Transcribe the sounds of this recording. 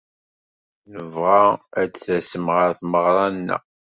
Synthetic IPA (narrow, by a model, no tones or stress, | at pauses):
nəvʁaæt͡sθæsəmʁəɾθməʁɾˤɑnːæ̰